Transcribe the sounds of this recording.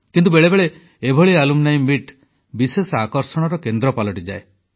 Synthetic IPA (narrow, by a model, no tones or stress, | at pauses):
kint̪ubeɭebeɭe | ebʱɔɭialumnaĩmiʈ | bisesakɔɾsɔɽ̃ɔɾɔkend̪ɾɔpalɔʈid͡ʒae